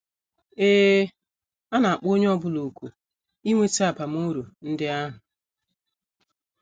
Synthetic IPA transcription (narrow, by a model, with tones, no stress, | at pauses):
eː˦ | a˦na˨a˨k͡po˦ɲe˦ɔ˦bʊ˦lo˨ku˨ | i˦ŋʷe˦t͡ʃa˦˨pa˨m̩˦u˦ɾu˨n̩˦dɪ˦a˦ɦʊ˨